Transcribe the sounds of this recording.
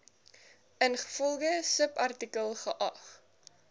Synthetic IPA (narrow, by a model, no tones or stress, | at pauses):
ənχə̥fɔlˠɡəsəpɐrtikəlˠχəʔɐχ